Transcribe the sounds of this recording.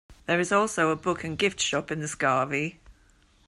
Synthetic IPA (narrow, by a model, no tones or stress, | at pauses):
ðəɹɪzɔˑlˠsoʊəbʊkʰə̃nɡɪftʃɒpɪ̃nðəskɑːvi